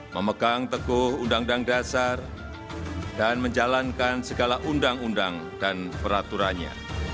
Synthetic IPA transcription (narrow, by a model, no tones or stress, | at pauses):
məməɡaŋt̪əɡʊhundaŋdaŋdasar | danməɲd͡ʒalankansəɡalaʔundaŋundaŋ | danpəɾat̪uɾanɲa̰